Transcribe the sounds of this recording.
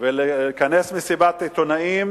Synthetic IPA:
velekanesmisibat̪et̪onaim

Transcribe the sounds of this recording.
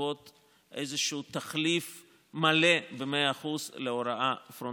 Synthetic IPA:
ot̪ | ʔḛjzeʃuut̪aχlif | malebemeaːχuzleoɾaafɾo

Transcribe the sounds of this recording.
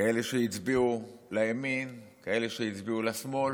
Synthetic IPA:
kae̞leʃejit͡sbiulajaminkae̞leʃejit͡sbiulasmo̞l

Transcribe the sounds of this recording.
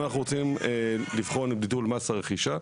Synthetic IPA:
anaχnuʁot͡simelivχonibditulmasaʁeχiʃa

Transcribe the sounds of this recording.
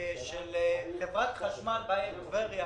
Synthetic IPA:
ʃeltevʁat̪χaʃmanbaeluveʁja

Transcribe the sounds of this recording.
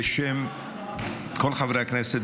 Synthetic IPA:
ʃɛm | kʰɔlχavɾakʰnɛsɛd̪

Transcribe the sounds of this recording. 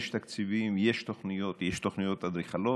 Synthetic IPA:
ʃt̪akt͡sivimjeʃt̪oχnijot̪jeʃt̪oχnijot̪ːad̪ɾiχalo

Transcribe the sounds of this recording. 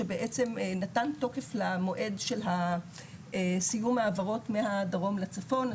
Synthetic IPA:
ebeʔet͡se̞mnatanto̞ke̞flamo̞ʔe̞dʃe̞lɦa | sijumhaːvaʁo̞tmehadaʁo̞mlat͡safo̞n

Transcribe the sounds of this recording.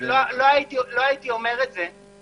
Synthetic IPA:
lɔloaitiloaitiɔmɛʁɛd͡zɛ

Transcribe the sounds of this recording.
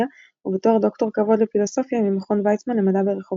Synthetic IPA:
a | ubet̪oχd̪o̞kt̪o̞ʁkavo̞d̪lefilo̞so̞fjamimeχonvajt͡ssmanemad̪abeʁeχov

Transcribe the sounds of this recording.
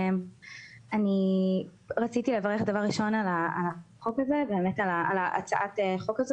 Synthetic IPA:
m | ani | ʁat͡sitilevaʁeχd̪avaʁiʃo̞nalaalaχo̞kazebe̞ːmetalaalaʔa̰t͡saʔateχo̞kazo

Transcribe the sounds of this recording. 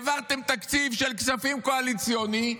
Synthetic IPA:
vaʁt̪e̞mt̪akt͡sivʃelksafimkoalit͡sjoni

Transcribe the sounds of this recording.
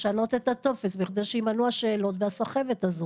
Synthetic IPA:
ʃano̞t̪e̞t̪at̪o̞fesviχd̪ejʃeimanuaʃeːlo̞tveasaχe̞vet̪azu

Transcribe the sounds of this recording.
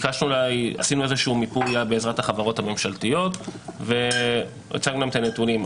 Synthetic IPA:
kaʃnulaja̰sinuezeʃuuːmipujabe̞ːzʁathaχavaʁo̞thame̞mʃaltijo̞t̪ve̞ | ḛt͡saɡnuemt̪anetulim

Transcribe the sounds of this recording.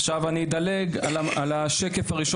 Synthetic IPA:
χʃavanid̪ɐleɡalalaʃeke̞faʁiʃo

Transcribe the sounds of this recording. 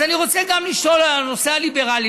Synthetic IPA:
aniʁo̞t͡seɡamliʃo̞lano̞sealibe̞ʁali

